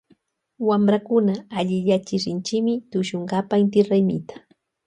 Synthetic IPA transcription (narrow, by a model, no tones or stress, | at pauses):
wamɾakʊnaːʎɪʎat͡ʃɪɾɪnt͡ʃɪkmɪt̪ʊʃoɴɢɑpaɪnt̪ɪɾajmɪ̰t̪ḁ